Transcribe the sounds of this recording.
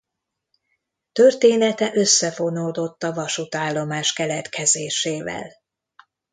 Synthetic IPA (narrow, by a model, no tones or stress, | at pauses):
t̪ø̞rt̪eːnɛt̪ɛʔø̞sːɛfo̞noːd̪o̞t̪ːɒvɒʃut̪aːlːo̞maːʃkɛlɛt̪kʰɛzeːʃeːvɛ̰l